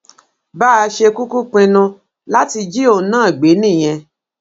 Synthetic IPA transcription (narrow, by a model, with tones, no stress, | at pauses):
ba˦˧ʃe˧ku˦ku˦k͡pĩ˧nũ˧ | la˦ti˧d͡ʒi˦o˧˨nãː˦˨ɡ͡be˨˦nĩ˦˨j̃ɛ̃˧